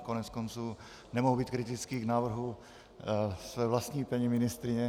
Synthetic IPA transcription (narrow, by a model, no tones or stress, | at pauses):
konɛt͡skont͡suː | nɛmoɦubiːt̪kɾɪt̪ɪt͡skiːɡnaːvr̩ɦu | svɛːvlast̪ɲiːpɛɲɪmɪnɪst̪ɾɪɲɛ